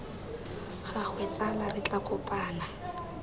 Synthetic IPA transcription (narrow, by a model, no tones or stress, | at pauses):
χaχwɛt͡sʼalarɪt͡ɬʼakʼʊpʼaːna